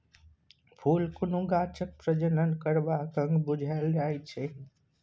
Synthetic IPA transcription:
pʰulkunũɡat͡ʃək̚pɾəd͡ʒənənkəɾbakə̃ŋɡbud͡ʒʱald͡ʒajt͡ʃʰɛ

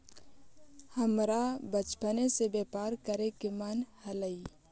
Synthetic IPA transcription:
həmɾabət͡ʃpənesebepaːɾkəɾekemənhələi

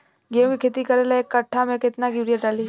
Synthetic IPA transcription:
ɡijõkikʰeːt̪ikɐɾelaekːɐʈʰːamẽkɪt̪naɡɪʋɾijaʈaːli

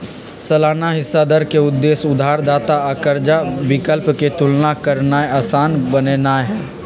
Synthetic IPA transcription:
sɐlaːnaɦɪsːad̪əɾkeʊd̪ːeːsʊd̪ʱaːɾd̪aːt̪aəkəɾd͡ʒabɪkəlpket̪ʊlnakəɾnaeaːsaːnbəneːnaɦɛː

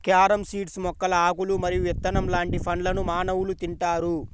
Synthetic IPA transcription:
kaːɾɐmsiːʈsmɔkːɐlɐaːkulumɐɾijuʋɛt̪ːɐnɐmlaːɳʈipʰɐɳlɐnumaːnɐwulut̪iɳʈaːɾu

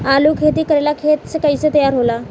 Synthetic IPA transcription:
aluːkʰet̪iːkəɾelakʰet̪sekaiset̪əjaɾɦola

